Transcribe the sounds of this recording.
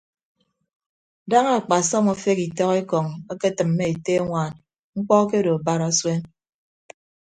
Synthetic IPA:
da˦ŋa˨k͡pa˨sɔ˦mo˦fe˦ki˨tɔ˦ɣe˦kɔ˨ŋa˦ke˦tɨ˨m̩ː˨e˦e˨te˦ŋʷaː˨n | ŋ͡m̩˦k͡pɔ˦k̬e˦do˨ba˦ɾa˦swe˦n

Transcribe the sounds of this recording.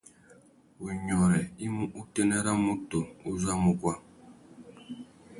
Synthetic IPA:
u˨ɲɔ˨ɾɛ˨i˦mu˦ʔu˦tɛ˦nɛ˦ɾa˦mu˦to˨u˦za˦mu˨kwa˦

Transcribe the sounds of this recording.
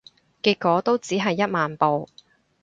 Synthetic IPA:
kiː˧kːɔː˨˥t̪o˥wt͡siː˨˥ɦɐ˨jːɐ˥t̚maː˨npo˨w

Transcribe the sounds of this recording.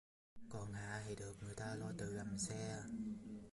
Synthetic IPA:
kɔ˨˩nha̰ː˧˨hi˨˧˩ɗɨ˨˩ək̚ŋɨ˨˩əjt̪aː˧lɔ˧˩jt̪ɨ˨˩la˨˩msɛ˧

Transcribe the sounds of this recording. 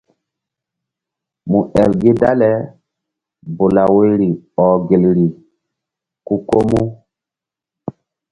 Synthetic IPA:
mu˨ʔɛ˨lɡe˦da˦lɛ˨˦ | bo˨la˨we˦ɾi˨ɔ˨ɡe˨lɾi˨ | ku˦ko˦mu˦

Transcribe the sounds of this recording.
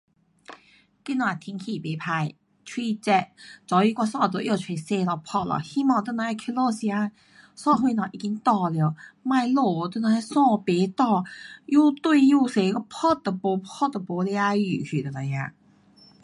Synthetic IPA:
ki˥nwa˨˩t̪ʰi˧˥˦ŋkʰi˧˨˩pe˨˦pʰa˧˩j | t͡ɕʰwi˥˧t͡ɕɛ˧t̚t͡sɔ˨˧˦i˧˦kwa˥˧sɔ̃˥˧˨t̪̬o˧˦jo˥˧˩t͡ɕʰe˧˩se˧lɔ˧˩pʰɔ˥˩lɔ̰˨˩hi˧˥mɔ̃˥˧˩t̪ə˥˧˨nã˧˦ɛ˥˧kʰi˧˥lo˥˧si˧a˧ | sɔ̃˥˧ɦwu˧nɔ˨˩˨ʔi˧˩ki˧˥ŋt̪ɔ˧ljo˨˧˦ma˥˧jlo˨˩˨t̪ə˥˧na˧˥˧sɔ̃˥˧pe˨˦t̪ɔ˥˧ju˥˧t̪wu˥˧ju˥˧˩se˨˧˦kɔ˥˧pʰɔ˥t̚d̪ə˨po˨˦ppʰɔ˥tt̪ə˨˩po˨˧˦lja˧˦y˨˩kʰy˨˩t̪ə˨˧˩na˨˩˦jã˧˨

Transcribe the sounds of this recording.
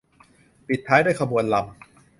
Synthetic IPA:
pi˨˩t̪ʰːaː˦˥jduː˥˩jkʰa˧bu˧ənla˧m

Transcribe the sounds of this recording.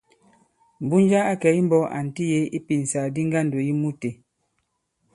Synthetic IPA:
m̩˨bu˦n˦d͡ʒa˦a˦kɛ˨˦i˦m˦bɔ˦a̰˨n̩˨ti˦je˨˦i˦pi˨n˨sa˨di˦ŋɡa˦˨n˨do˨ji˦mu˦te˨

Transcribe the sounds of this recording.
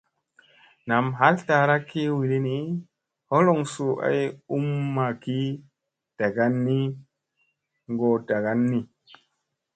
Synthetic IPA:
na˨mɦa˦lta˨ɾa˦kːi˦wi˨li˦ni˦ | ho˦lo˨ŋsu˨ʔa̰˨ju˦mːa˨ki˦ | d̥a˨ɡa˦nːi˦ | ŋɡo˨da˨ɡa˦nːi˨

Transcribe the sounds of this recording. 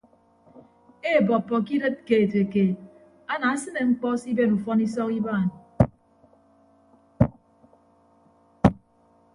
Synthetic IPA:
e˦˨bɔ˨pːɔ˨k̬i˦ɾe˦t̚ke˨e˨te˨ke˨ | a˦na˨a˦sɨ˦ne˨ŋ͡m̩˦k͡pɔ˦si˦be˦nu˨fɔ˦ni˦sɔ˦ki˦baː˦˨n˨

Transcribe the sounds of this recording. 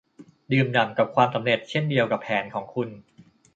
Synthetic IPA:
dɯː˨˩mna˨˩mka˨˩p̚kʰwaː˧msa˩˦mɾe˨˩t̪̚t͡ɕʰe˥˩ndi˧əwka˨˩pʰːɛː˩˦nkʰɔː˩˦ŋkʰu˧n

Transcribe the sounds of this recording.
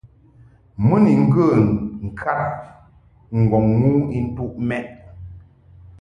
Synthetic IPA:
mɨ˦ni˨ŋ̩˦ɡə˦˨ŋ̩˨kʰa˦p | ŋ̩˨ɡɔ˨ŋːu˦i˦n̩˦tu˦ʔmɛ˦ʔ̚

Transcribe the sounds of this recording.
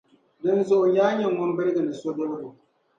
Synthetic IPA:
dɨ˦nzʊ˨ʔʊ˨jaː˦ɲɛ˨ŋɔ˦m˦bɨ˦ɾɨ˦ɡɨ˨nɨ˨so˦do˦bdu˨

